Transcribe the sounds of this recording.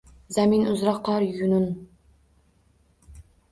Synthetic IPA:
zæminuzɾɑqːɑɾjunun

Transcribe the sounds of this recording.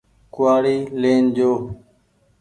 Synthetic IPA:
kʊaːɽiːleːnd͡ʒoː

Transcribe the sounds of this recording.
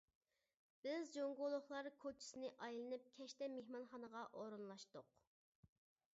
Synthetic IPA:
b̥ɪzd͡ʒoŋɡolˠʊχlˠɑɾkʰot͡ʃʰi̥sɪnɪʔɑjlˠɨnɨp̚kʲʰɛʃt̪ɛmehmɑnχɑnəʁɑʔoɾɨnlˠɑʃt̪ʊq

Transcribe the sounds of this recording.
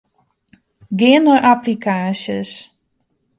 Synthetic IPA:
ɡeːnoʔaplikʰaːsjəs

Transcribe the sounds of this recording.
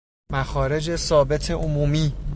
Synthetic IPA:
mæxɒːɾe̞d͡ʒe̞sɒːbe̞t̪ʰeʔomuːmiː

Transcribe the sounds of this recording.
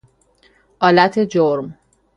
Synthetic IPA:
ʔɒːlæt̪ʰed͡ʒoɾm

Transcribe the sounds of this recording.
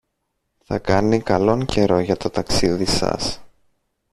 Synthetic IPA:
θɐ̰kɐnikɐlo̞ŋce̞ɾo̞ʝɐt̪o̞t̪ɐksiðisɐ̰s

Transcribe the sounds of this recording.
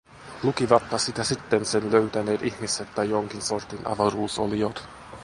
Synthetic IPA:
lukiʋɑt̪ːɑsit̪æsit̪ːensenløyt̪æne̞ːt̪ihmiset̪ːɑjjoŋk̟insort̪inʔɑ̰ʋɑɾuːso̰liot̪

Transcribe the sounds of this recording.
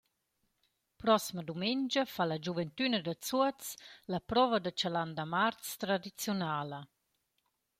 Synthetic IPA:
pɾɔsiməd̪umɛnd͡ʒəfalad͡ʒuvɛnt̪ynəd̪ət͡suət͡slapɾɔvəd̪at͡ʃaland̪amart͡st̪ɾad̪it͡sjunaːlə

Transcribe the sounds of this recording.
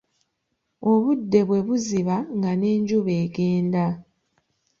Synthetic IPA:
o̞βudːe̞βwe̞βuziβaŋɡane̞ːɲɟuβe̞ːɡe̞ːnda

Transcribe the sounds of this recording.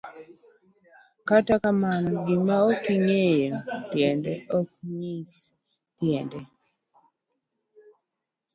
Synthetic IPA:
katakamanɔɡɪmaokiɲejotjɛndɛɔkɲis | tjɛndɛ

